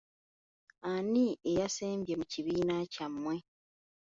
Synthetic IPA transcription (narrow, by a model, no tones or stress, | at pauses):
aniejaseːmbje̞muciβiːnacamːwe̞